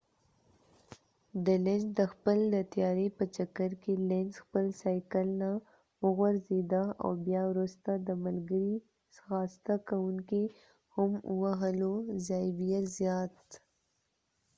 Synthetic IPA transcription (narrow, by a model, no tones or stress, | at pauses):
dəled͡ʒd̪əxpəld̪ət̪jɑɾepət͡ʃakaɾkelensxpəlsɑjkəlna | wəɣwaɾzed̪aa̰wbjɑwɾust̪ad̪əmalɡəɾi | sxɑst̪akawuŋki | hʊmwaɦəlozɑjbijazjɑt̪